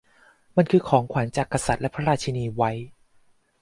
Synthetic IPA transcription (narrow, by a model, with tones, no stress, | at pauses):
ma˧nkʰɯː˧kʰɔː˩˦ŋkʰwa˩˦nt͡ɕaː˨˩kːa˧sa˨˩t̪̚lɛ˦˥pʰa˥ɾaː˧t̪̚t͡ɕʰa˧niː˧wa˦˥j